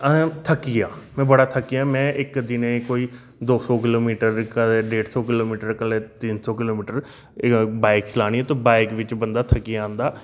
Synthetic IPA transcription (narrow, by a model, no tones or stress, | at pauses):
t̪ʰəkːiːaːmɛ̃ːbəɽaːt̪ʰəkːijaːmɛ̃ːʔɪkd̪ɪneːkoːiː | d̪oːsɔːkɪloːmiːʈəɾkəleːɖeːɽsɔːkɪloːmiːʈəɾkəleːt̪ɪnsɔːkɪloːmiːʈəɾ | baːɪkt͡ʃɪlaːɽ̃iːɛ̃t̪õːbaːɪkʋɪt͡ʃbənd̪aːt̪ʰəkiːãːnd̪aː